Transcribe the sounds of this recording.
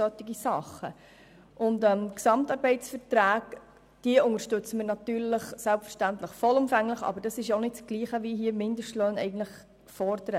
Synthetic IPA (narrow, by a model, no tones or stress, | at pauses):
œt̪ːɪɡisɑχːə̰ | ʔʊndɛmksɑmt̪ɑːɾbɛɪtt͡sfəɾtɾæːɡ̥ | d̥iəʊŋəʃtɵt͡səməɾnɑt̪yːɾləχsælpfəɾʃtænt̪ləχfɔlʊmfæŋləχɑ̰bəɾd̥ɑsɪʃonɪtsɡ̥liːχəʋiɦiːəmɪndəʃtløːnɛ̰ɪɡən̩tləχ | fɔɾd̥əɾə